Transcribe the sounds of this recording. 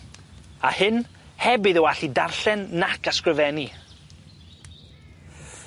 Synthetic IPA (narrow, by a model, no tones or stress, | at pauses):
a̰hɨn | hɛbɨðəwaɬidarɬɛnːakʰaskrɨvɛni